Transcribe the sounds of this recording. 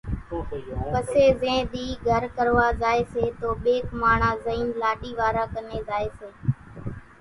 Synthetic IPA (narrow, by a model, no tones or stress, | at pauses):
pəseːzẽːd̪iːɡʱəɾkəɾʋaːzaːeːseːt̪oːɓeːkmaːɳ̤ãːzəiːnlaːɗiːʋaːɾaːkəneːzaːeːseː